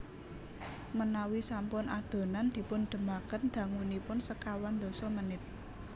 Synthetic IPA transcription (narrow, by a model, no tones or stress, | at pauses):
mənawisampʊnad̪̥o̤nand̪̥i̤pʊnɖ̪̥ə̤makənd̪̥ä̤ŋunipʊnsəkawand̪ɔ̤sɔmənɪt̪̚